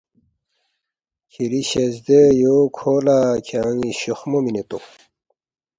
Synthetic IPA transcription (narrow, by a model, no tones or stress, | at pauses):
kʰiɾiɕɐzd̪ejokʰoːlakʰaŋiɕuxmominet̪o